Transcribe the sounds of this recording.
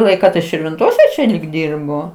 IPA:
ˈlˠɐɪkɑː tɐɪ ʃʲɪrʲʋʲɪnˈtoːsʲɛ t͡ʃʲɛ lʲiːk ˈdʲɪrboː

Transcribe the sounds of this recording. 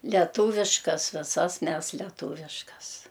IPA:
lʲɛˈtuːʋʲɪʃkɐs ʋʲɪˈsɐs ˈmʲɛs lʲɛˈtuːʋʲɪʃkɐs

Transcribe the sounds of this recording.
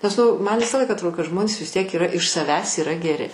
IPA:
nʲɛs ˈnʊ ˈmɐn ˈʋʲɪsɑː ˈlˠɐɪkɑː ɐtˈroːdoː kɐt ˈʒmoːnʲeːs ʋʲɪs ˈtʲiɛk iːˈrɐ ɪʃ sɐˈʋʲæːs iːˈrɐ ɡʲɛˈrʲɪ

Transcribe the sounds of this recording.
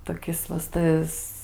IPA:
toːˈkʲɪs ʋɐ s ˈtɐs

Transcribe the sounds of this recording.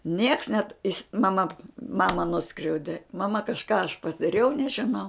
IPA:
nʲiɛks nʲɛt ɪs mɐˈmɐ ˈmɑːmɐ ˈnʊskrʲɛʊdʲɪ mɐˈmɐ kɐʃˈkɑː ɐʃ pɐdɐˈrʲɛʊ nʲɛʒʲɪˈnɐʊ

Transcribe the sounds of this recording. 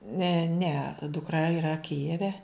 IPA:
ˈnʲɛ ˈnʲɛ dʊkˈrɐ iːˈrɐ ˈkʲɪjɛʋʲɛ

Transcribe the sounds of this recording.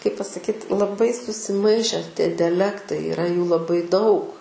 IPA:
kɐɪp pɐsɐˈkʲiːt lˠɐˈbɐɪ sʊsʲɪˈmɐɪʃʲɛ tʲiɛ dʲɛˈlʲæːktɐɪ ɪˈrɐ juː lˠɐˈbɐɪ dɐʊk

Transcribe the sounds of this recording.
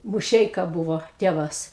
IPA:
mʊˈʃʲɛɪkɐ ˈbʊʋoː ˈtʲeːʋɐs

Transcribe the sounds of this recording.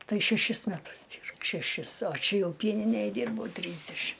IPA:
ˈtɐɪ ʃʲɛˈʃʲɪs mʲɛˈtʊs ˈdʲiːr ʃʲɛˈʃʲɪs oː ˈt͡ʃʲɛ ˈjɛʊ ˈpʲiɛnʲɪnʲeːj ˈdʲɪrbɐʊ ˈtʲrʲiːzʲdʲɛʃʲɪm

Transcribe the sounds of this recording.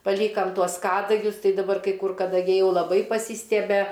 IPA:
pɐˈlʲiːkɐm ˈtuɔs ˈkɑːdɐɡʲʊs ˈtɐɪ dɐˈbɐr ˈkɐɪ ˈkʊr kɐdɐˈɡʲɛɪ ˈjɛʊ lˠɐˈbɐɪ pɐˈsʲiːsʲtʲiɛbʲɛ

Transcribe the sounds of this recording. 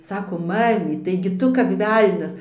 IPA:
ˈsɑːkoːm ˈmɑːmʲiːt tɐɪ ɡʲɪ ˈtʊ kɐp ˈʋʲɛlʲnʲɛs

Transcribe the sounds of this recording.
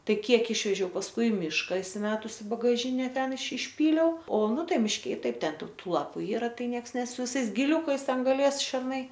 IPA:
ˈtɐɪ ˈkʲiɛk ˈɪʃʲʋʲɛʒʲɛʊ pɐsˈkʊɪ ɪ ˈmʲiːʃkɐ ɪsʲɪˈmʲæːtʊsʲɪ ɪ bɐɡɐˈʒʲɪnʲɛ ˈtʲɛn ɪʃ ɪʃʲˈpʲiːlʲɛʊ oː ˈnʊ ˈtɐɪ mʲɪʃʲˈkʲɛ ɪ ˈtɐɪp ˈtʲɛn ˈtuː ˈtuː ˈlˠɑːpʊ ˈiːrɐ ˈtɐɪ ˈnʲiɛks ˈnʲɛs sʊ ʋʲɪˈsɐɪs ɡʲɪˈlʲʊkɐɪs ˈtʲɛn ɡɐˈlʲeːs ʃʲɛrˈnɐɪ

